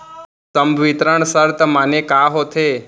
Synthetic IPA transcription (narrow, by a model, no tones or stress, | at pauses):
səmbʱʋit̪ɾəɳsəɾt̪əmaːnekaːɦot̪ʰeː